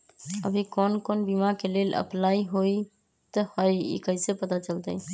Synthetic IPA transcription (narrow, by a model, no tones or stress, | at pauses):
ə̰bʱikonkonbimakelelʔə̰plaiɦoi | t̪əhəjḭkəjsepət̪at͡ʃəlt̪əj